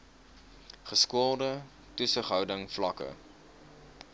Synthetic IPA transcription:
χəskuəlˠdə | təsəχɦœwdəŋflɐkə̰

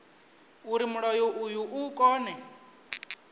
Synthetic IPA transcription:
uɾimuɺɔjɔʔujuʔukʼɔːnɛ

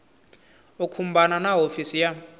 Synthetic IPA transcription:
ukʰum̩bananaɦofisija

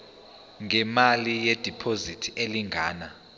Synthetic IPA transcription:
ŋʱɛmalijɛd̥ʱipʰozitʰieliŋʱaːna

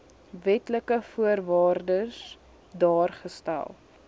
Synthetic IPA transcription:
vɛtləkəfuərvɑːrdəs | dɑːrχəstæ̰lˠ

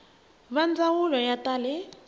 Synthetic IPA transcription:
βand͡zawulɔjatʼaːlɪ

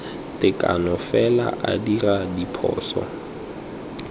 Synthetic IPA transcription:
tʼɪkʼanɔfɛla̰ʔadiradipʰɔ̰ːsɔ̰

